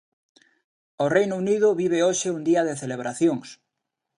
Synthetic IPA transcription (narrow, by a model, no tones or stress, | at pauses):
orejnouniðʊβiβeoʃeuŋd̪iɐðeθeleβ̞ɾaθjoŋs